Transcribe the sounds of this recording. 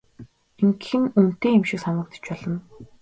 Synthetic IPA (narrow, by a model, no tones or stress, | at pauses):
eŋkxɘ̆nun̥t̪eːemʃɪ̆ksanə̆k̚t̪ə̥̆t͡ɕpɔɮɞ̆n